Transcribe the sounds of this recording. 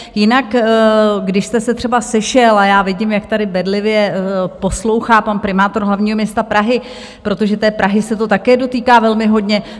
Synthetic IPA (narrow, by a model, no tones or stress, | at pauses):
jɪnak | ɡdɪʃst̪ɛsɛt̪r̥ɛbasɛʃɛlajaːvɪɟɪmjak̚t̪adɪbɛdlɪvjɛpo̞slo̞wxaːpanpɾɪmaːt̪o̞ɾɦlavɲiːɦo̞mɲɛst̪apɾaɦɪ | pɾo̞t̪o̞ʒɛt̪ɛːpɾʔaɦɪsɛt̪o̞t̪akɛːdo̞t̪iːkaːvɛlmɪɦo̞dɲɛ